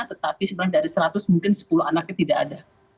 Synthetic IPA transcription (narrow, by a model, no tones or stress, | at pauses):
at̪ət̪apisəbəɾaŋdaɾisəɾat̪ʊsmuŋkɪnsə̥pulʊhanak̚ɲat̪idaʔada